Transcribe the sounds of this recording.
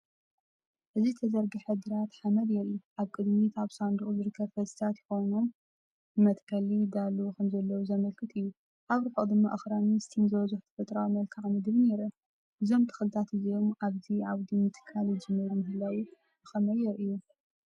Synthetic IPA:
ʔɨzit̪ʰɐzɐɾɡiħɨd̪ɨɾat̪ħamɐd̪jɛɾɨjuʔaβkʼɨd̪mit̪aβsand̪ɨχʼuzɨɾɨkʰːɐβfɐsi̥t̪ʰat̪jɪxo̞wno̞m | ɨmɐt̪ʼkʰɐlid̪alkʰɐmzɐlːɐwuzɐmɐlkʰɨt̪ʼɨjːu | ʔaβɾɨħod̪ɨmːa̰ʔɐxɾamist̪ʰinzɐwɐzuħt̪ʰɐ̥fɐt̪ʼɾawimɐlkʰaʕmɨd̪ɨβneɾɐ | ʔɨzo̞mt̪ʰɐ̥xɨlt̪ʰat̪ɨzio̞maβziʕaβd̪imːɨt̪ʰɨ̥kʰːaljɪd͡ʒɨmːɨɾumɨɦɨlawi | ɨxɐmɐjɛɾʔɨjːu

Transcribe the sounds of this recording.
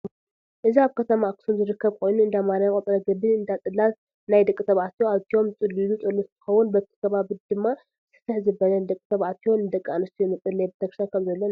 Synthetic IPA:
ʔɨziaβkʰɐt̪ʰɐmakɨ̥sunzɨɾɨkʰːɐβkʰo̞jnuɨnd̪amaɾajkʼɐt̪ʼɐɾɐɡɨbɨnɨnd̪at̪ʼɨlːan | najd̪ɐkʼɨt̪ʰɐβʕat̪ʰjoaβt̪ʰio̞mt͡sʼɨlːilut̪ʼɨlːust̪ʰɨ̥xɐwunbɐt̪ʰi̥kʰɐβaβid̪ɨmːa | sɨ̥t̪ʰːɨħzɨbɐlɐnɨd̪ɐkʼɨt̪ʰɐβʕat̪ʰijo̞nnɨd̪ɐkʼːanɨst̪ʰujɛmɨt̪ʼːɨlːejbɨt̪ʰɐɡʃakʰɐmzɐlːɐn

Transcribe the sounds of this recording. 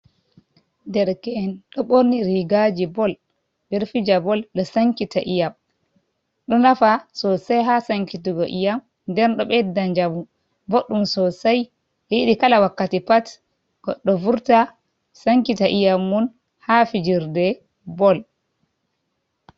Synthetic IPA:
ndɛɾkɛɛnɗɔɓoɾniɾiɡad͡ʒibɔl | bɛɾfid͡ʒabɔlɗɔsaŋkitaʔijam | ɗɔnafasɔsajɦasaŋkituɡɔʔijam | ndɛɾɗɔɓɛdaɲd͡ʒamu | boɗːumsɔsaj | jiɗikalawakːatipat | ɡ̥ɔɗːɔvuɾta | saŋkitaʔijamːun | hafid͡ʒiɾdɛ | bɔl

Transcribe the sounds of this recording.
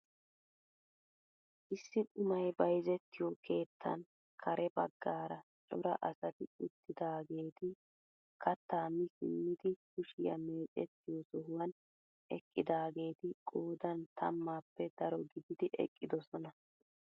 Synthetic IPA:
ʔɪsːɪkʼʊmɐjbɐjzɛt̪ːɪjɔkʰe̞ːt̪ːɐ̰n | kʰɐɾʔɛbɐɡːaːɾɐt͡ʃʼɔɾɐ̰ʔɐsɐt̪ɪʊt̪ːɪd̪aːɡe̞ːt̪ɪ | kʰɐt̪ːaːmɪsɪ̰mːɪd̪ɪkʊʃɪjɐ̰me̞ːt͡ʃʼɛt̪ːɪjɔsɔhʊwɐn | ʔɛ̰kʼːɪd̪aːɡe̞ːt̪ɪkʼoːd̪ɐnt̪ʰɐmːaːpːɛd̪ɐɾɔɡɪd̪ɪd̪ɪʔɛ̰kʼːɪd̪ɔsɔnɐ

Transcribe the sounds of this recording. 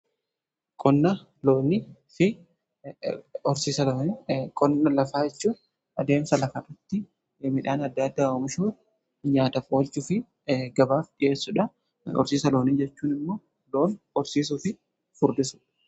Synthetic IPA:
kʼɔnːɐ | loːnɪfɪ | ɔɾsiːsɐlonkʼɔnːɐlɐfaːd͡ʒɛt͡ʃːuːn | ɐd̪e̞ːmsɐlɐfɐɾɐt̪ːɪ | mɪᶑaːnɐd̪ːɐd̪ːaːɔmɪʃuː | ɲaːt̪ɐpʼoːlt͡ʃːʊfɪ | ɡɐbaːfᶑɪʔe̞ːsːʊᶑɐ | ɔ̰ɾsiːsɐlo̞ːniːd͡ʒɛt͡ʃːuːnɪmːo̞ː | loːn | ɔɾsiːs̬ʊfɪ | fʊɾd̪ɪsʊ̥

